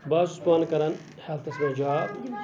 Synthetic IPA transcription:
baːzuspaːnkɐɾɐn | hɐlt̪ɐsmɐd͡ʒaː

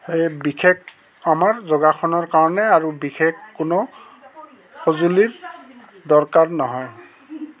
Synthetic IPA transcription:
xejbikek | amaɹzɔɡaxʰɔnɔɹkaɹɔnɛaɹubixʰekːʊnɔ | xozuliɹ | d̪ɔɹkaɹnɔɦɔj

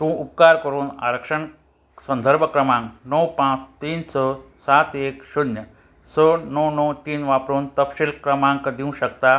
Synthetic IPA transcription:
t̪ũʔup̚kaːɾkəɾuːna̰ɾəkʂəɳ | sɐ̃nd̪ʱəɾbʱəkɾɐmãŋknəwpãt͡st̪iːnsə | sat̪eːksunjə | səːnəwnəwt̪iːnʋaːpɾuːnt̪ɐpʃilkɾɐmãŋkəd̪ĩũɕɐkt̪a

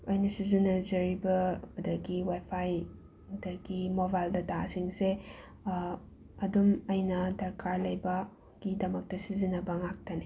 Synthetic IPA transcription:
ojnɐsizinɐzɐɾibɐbɐdɐɡiwajpʰaj | dɐɡimobajldɐtasiŋse | ɐdumɐjnɐdɐɾkaɾlɐjbɐ | ɡ̥idɐmɐk̚tɐsizinɐbɐŋak̚tɐne

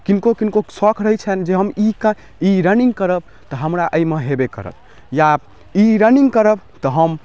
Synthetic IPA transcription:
kinkokinkosɔkʰɾəɦɛt͡ʃʰɛnd͡ʒeɦəmikə | iɾəniŋɡkəɾəb̚ | t̪ɔɦəmɾaʔəjmeɦebekə̰ɾə̰t̪ | ja | iɾəniŋɡkəɾəb | t̪ɔɦəm

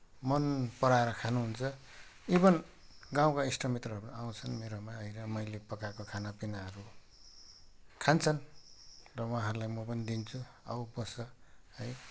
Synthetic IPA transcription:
mʌnpʌɾaeɾʌkʰanuɦunt͡sʰʌ | ebʌn | ɡãw̃kaisʈʌmit̪rʌɦʌɾuaw̃t͡sʰʌnmeɾomaʌjɾʌmʌjlepʌkakokʰanapinaʌɾu | kʰant͡sʰʌn | rʌwãɦʌɾulajmʌpʌnid̪int͡sʰu | a̰wbʌsʌhʌj

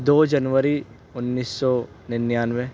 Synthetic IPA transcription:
d̪oːd͡ʒɐnʋəɾi | ʊnːiːsːɔ | nɪnjaːnʋe

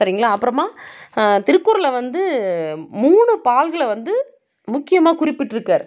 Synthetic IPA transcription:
ɐɾɪŋɡɐɭaːɐpːɯɾɐmaːt̪ɪɾɯkːʊɾɐlɐʋɐnd̪ɯ | muːɳɯpaːlɣɐɭʋɐnd̪ɯ | mʊkːɪjɐmaːkʊɾɪpːɪʈːɪɾɯkːaːɾ

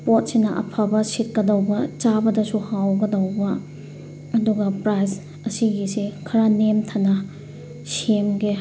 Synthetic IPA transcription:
pot̚sinɐʔɐ̰pʰabɐsit̚kɐdɐwbɐt͡ʃabɐdɐsuhawɡɐdɐwbɐː | duɡɐpɾajs | ɐsiɡisekʰɐɾanemtʰɐnɐ | semɡe

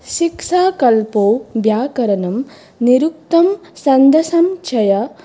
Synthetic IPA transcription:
ʃiksaːkɐlpoːbjaːkɐɾɐnɐm | niɾuk̚t̪ɐmsɐnd̪ʱɐsɐmt͡ʃʰɐjɐ

